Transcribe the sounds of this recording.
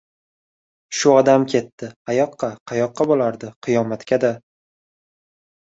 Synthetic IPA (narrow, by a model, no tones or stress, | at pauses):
ʃʊɒd̪amkʲʰe̞t̪ːɪajɒqːɑqʰɑjɒqːɑbolaɾd̪ɪqʰɨjɒmat̪kʲad̪a